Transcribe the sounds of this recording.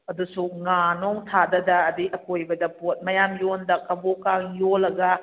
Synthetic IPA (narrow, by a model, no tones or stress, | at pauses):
ɐdusuŋanoŋtʰadɐdɐːdiʔɐkojbɐdɐpot̚mɐjamjondɐkɐbokaŋjolːɐɡɐ